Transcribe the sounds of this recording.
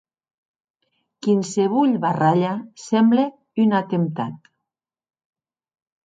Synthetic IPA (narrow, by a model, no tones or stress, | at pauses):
kinseβuʎβaraʎasɛmble | ynat̪emt̪at̪